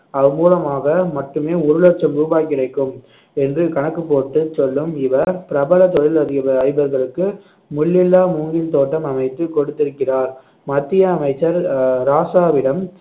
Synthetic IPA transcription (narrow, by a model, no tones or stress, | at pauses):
ɐʋɯmuːlɐmaːɣɐmɐʈːɯmeːɔɾɯlot͡ʃːɐmʊɾɯʋaːkɪrɐɪkːɯm | ɛndrɯkɐɳɐkːɯpːoːʈːɯsɔlːɯmɪʋɐpɪɾɐbɐlɐt̪ɔɻɪlɐðɪɐʋɐɐɪbɐɾɣɐɭɯkːɯ | mʊɭːɪlːaːmuːŋɡɪnt̪oːʈːɐmɐmɐɪt̪ːɯkɔɽɯt̪ːɪɾɯkːɪraːɾ | mɐt̪ːɪjɐːmɐɪt͡ʃːɐɾɾaːsaːʋɪɽɐm